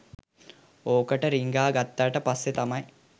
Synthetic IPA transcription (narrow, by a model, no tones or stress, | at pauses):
oːkəʈəɾiŋɡaːɡat̪ːaːʈəpasːet̪amɐj